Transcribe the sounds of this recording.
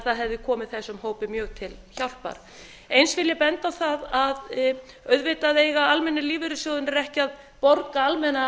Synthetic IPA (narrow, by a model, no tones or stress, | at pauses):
θaðɦɛvðɪkʰɔːmɪðθɛsːʏmhoːwpɪmjœːɣt̪ʰɪlçawl̥pa̰ɾ̥ | ejnsvɪljɪpɛnt̪awθaðað | œɥðvɪt̪aðejɣaalmɛnːɪliːvɪɾʏsjɔːðʏnɛɾɛhcɪað | pɔɾkaalmɛna